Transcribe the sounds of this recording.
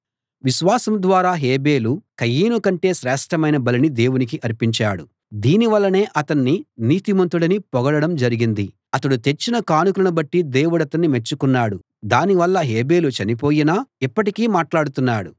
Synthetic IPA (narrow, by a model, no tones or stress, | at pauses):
ʋiʃʋaːsɐmd̪ʋaːɾaːɦeːbe̞ːlukɐjiːnukɐɳʈe̞ːʃɾɛːʂʈʰɐmɐjnɐbɐlinid̪e̞ːwunik̬iʔɐɾpiɲt͡ʃaːɽu | d̪iːniʋɐlːɐne̞ːʔɐt̪ɐnːiniːt̪imɐnt̪uɽɐnipɔɡɐɽɐɽɐmd͡ʒɐɾiɡind̪i | ɐt̪ɐɽut̪e̞t͡ʃːinɐkaːnukulɐnubɐʈːid̪e̞ːwuɽɐt̪ɐnːime̞t͡ʃːukunːaːɽu | d̪aːniʋɐlːɐɦeːbe̞ːlut͡ʃɐnipo̞ːjinaːipːɐʈikiːmaːʈlaːɽut̪unːaːɽu